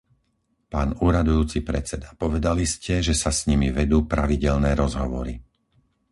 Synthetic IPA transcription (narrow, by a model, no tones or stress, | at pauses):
paːnuːɾad̪ujuːt͡sipɾɛt͡sɛd̪apɔʋɛd̪aliscɛʒɛsasɲimiʋɛd̪uːpɾaʋiɟɛʎnɛːɾɔzɦɔʋɔɾi